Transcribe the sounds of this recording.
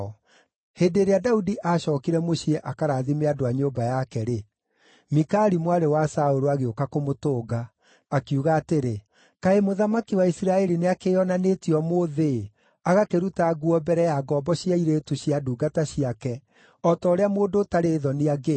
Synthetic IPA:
heːdeɾeadaudiʔaɕɔːkiɾɛmoɕiɛʔakaɾaːðimeadoaɲoːbajakɛɾe | mikaɾimwaɾewasaoɾoaɣeokakomotoːɡaː | kiuɣaːteɾe | kaemoðamakiwaisiɾaɛɾineakeɔnanetiɔmoːðe | aɣakeɾutaɡuɔbɛɾɛjaɡɔbɔɕiaiɾeːtuɕiaduːɡataɕiakɛ | ɔtɔːɾeamoːdotaɾeːðɔniaɡe

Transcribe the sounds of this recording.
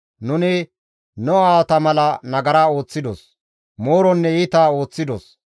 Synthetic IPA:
nʊnɪ | nɔaːwt̪ɐmɐlɐnɐɡɐɾaːo̞ːt͡sːɪd̪ɔ̰s | moːɾɔnːɛɪt̪aːo̞ːt͡sːɪd̪ɔs

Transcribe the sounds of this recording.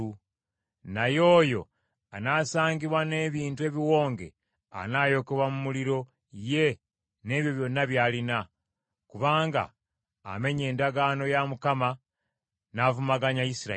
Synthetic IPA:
u | najo̞ːjo̞̰ | anaːsaːɲɡiβwane̞ːβiːntue̞βiwo̞ːŋɡe̞̰ | a̰naːjo̞keβwamumuliɾo̞ | je̞ | ne̞ːβjo̞βjo̞nːaβjaːlina | kuβaːŋɡa̰ː | me̞ɲe̞ːndaɡano̞jamukama | navumaɡaɲaisiɾa

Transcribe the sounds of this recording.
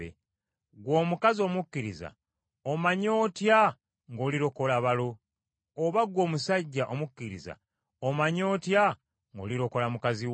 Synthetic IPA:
ḛ | ɡwo̞ːmukazio̞ːmukːiɾiza̰ | omaɲo̞ːtja | ŋɡo̞ːliɾo̞ko̞laβalo̞ː | βaɡwo̞ːmusaɟːaʔomukːiɾḭza̰ | omaɲo̞ːtja | ŋɡo̰liɾo̞ko̞lamukaziw

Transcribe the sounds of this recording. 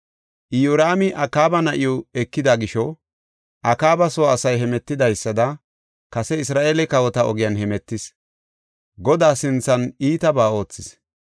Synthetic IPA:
ʔɪjuɾaːmɪʔɐkaːbɐnɐʔɪjɔɛkːɪd̪aɡɪʃɔ | ʔɐkaːbɐsoːɐsɐjɦɛmɛt̪ːɪd̪ɐjsːɐd̪ɐ | kɐsɛɪsɾaːʔeːlɛkɐwɔt̪ɐɔɡɪjɐnhɛmɛt̪ːɪs | ɡɔd̪aːsɪnt͡sːɐniːt̪ɐbaːo̞ːt͡sːɪs

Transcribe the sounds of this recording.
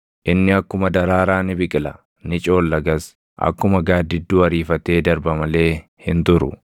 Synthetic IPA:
ʔɪnːɪɐkːʊmɐd̪ɐɾaːɾaːnɪbɪkʼɪlɐ | nɪt͡ʃʼo̞ːlːɐɡɐs | ʔɐ̰kːʊmɐɡaːd̪ɪd̪ːuːɐɾiːfɐt̪e̞ːd̪ɐɾbɐmɐle̞ː | hɪnt̪ʊɾʊ̰

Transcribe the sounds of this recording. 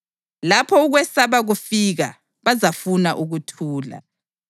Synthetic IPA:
lapʰɔuɣwɛsaβaɣufiɣa | βazafunaʔuɣutʰuːla̰

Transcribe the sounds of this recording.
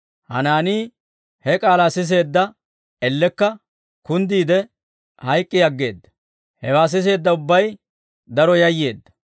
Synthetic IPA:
hɐ̰naːniː | hɛkʼaːlasɪs̬e̞ːd̪ːɐ | ɛlːɛkːɐ | kʊnd̪iːd̪ɛ | hɐjkʼːɪɐɡːe̞ːd̪ːɐ̥ | hɛwaːs̬ɪs̬e̞ːd̪ːɐʊbːɐj | d̪ɐɾɔjɐjːe̞ːd̪ːɐ̥

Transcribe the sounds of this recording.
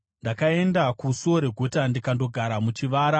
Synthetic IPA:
ndakae̞ndakusoɾe̞ɡʱotandikando̞ɡʱaɾamut͡ʃiʋaːɾa

